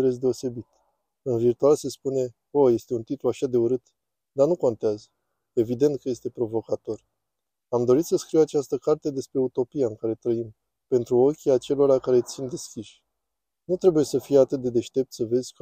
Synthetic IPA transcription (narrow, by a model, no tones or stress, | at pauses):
ɾez̬d̪e̞o̞se̞bit̪ | ɨnvirt̪ualse̞spune̞ | oje̞st̪eunt̪it̪luaʃad̪e̞uɾɨt̪ | d̪anuko̞nt̪eazə | e̞vid̪e̞nt̪̚kəje̞st̪e̞pɾo̞vo̞kat̪o̞r | amd̪o̞ɾit̪səskɾiwat͡ʃast̪əkart̪e̞d̪e̞spɾe̞ut̪o̞pijaɨŋkaɾe̞t̪ɾəim | pe̞nt̪ɾuo̞kʲiat͡ʃe̞lo̞ɾakaɾe̞t̪sind̪e̞skʲiʃʲ | nut̪ɾe̞buje̞səfijeat̪ɨt̪̚d̪e̞d̪e̞ʃt̪e̞p̚t̪səve̞zʲk